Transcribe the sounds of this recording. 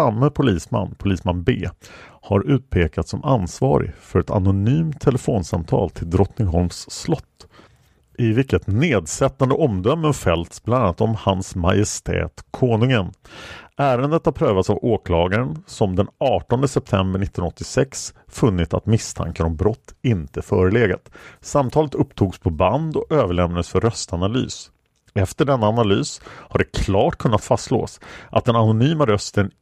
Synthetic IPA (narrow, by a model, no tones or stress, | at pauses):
samːəpʰʊliːsma̰nːpʰʊliːsmanbeːhaɾʉ̟ːt̪̚pʰeːkat̪sɔma̰nsvɑ̰ːɾɪ̰fœɾɛt̪ʰa̰nʊnyːmt̪ʰːɛlɛfoːnsa̰mt̪ʰɑ̰ːlt̪ʰɪld̪ɾɔt̪nɪŋɦɔlmsːlɔt̪ː | ʔɪvɪkːət̪neːd̪sɛt̪ːand̪əʔɔmd̪œmːənfɛlt̪sblananːat̪ɔmhansmajɪst̪ʰɛ̰ːt̪kʰoːnɵŋənʔæːɾənd̪ət̪haɾpʰɾøːvat̪savoːkʰlɑːɡaɾənsɔmd̪ɛnɑːʈɔnd̪əsɛp̚t̪ʰɛmbəɳɪt̪ːnnɔt̪ːɪsɛks | fɵnːɪt̪sa̰t̪mɪst̪ʰa̰ŋkənɔmbɾɔt̪ːɪnt̪əfœːɾəleːɡa̰t̪samt̪ʰɑːlət̪ɵpːt̪ʰuːɡspʰɔband̪ɔʔøːvəɭɛmnad̪əsfœɾœst̪analy̰ːs | ɛft̪əɖɛnːaːnalyːshaɖɛkʰlɑːʈkʰɵnːat̪fast̪lo̰ːsʔat̪̚d̪ɛnanʊnyːmaɾœst̪ən